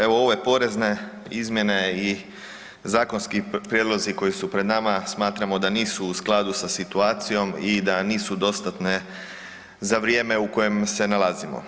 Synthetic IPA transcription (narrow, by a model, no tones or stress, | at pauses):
e̞ʋo̞oʋe̞po̞ɾe̞zne̞ | izmje̞ne̞i | zaːko̞nskipɾjed̪loziko̞jisupɾe̞d̪namasmaːt̪ɾamo̞d̪aniːsuːsklˠad̪usasit̪uaːt̪sijo̞mid̪aniːsud̪o̞st̪at̪ne̞ | zaʋɾije̞ːme̞uko̞je̞mse̞nalazimo̰